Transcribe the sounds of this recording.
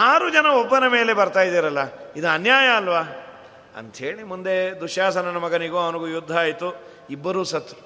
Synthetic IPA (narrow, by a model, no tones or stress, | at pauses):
aːɾud͡ʒɐnɐɔbːɐnɐme̞ːle̞bɐɾt̪aːjid̪iːɾɐlːɐid̪uɐnjaːjɐɐlʋaː | ɐ̰nt̪ɐɦe̞ːɭimund̪e̞d̪uʃjaːsɐnɐnɐmɐɡɐniɡoːɐʋɐnɐɡujud̪ʱːaaːjt̪u | ibːɐɾuːsɐt̪ːu